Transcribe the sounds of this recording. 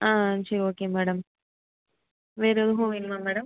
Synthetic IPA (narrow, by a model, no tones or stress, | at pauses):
ãːsɐɾioːkeːmɛːɽɐm | ʋeːɾɐðɯɦõːʋɪnmaːmɛːɽɐm